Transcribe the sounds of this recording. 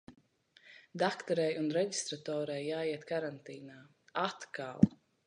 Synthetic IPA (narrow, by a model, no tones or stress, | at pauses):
d̪akt̪ɔɾɛjunɾɛɟist̪ɾat̪ɔːɾɛjːaːiɛt̪kaɾant̪iːnaː | at̪ka̰lˠ